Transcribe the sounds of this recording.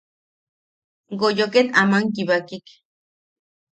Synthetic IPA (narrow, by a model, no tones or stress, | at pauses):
ɡojokenamaŋkiβakik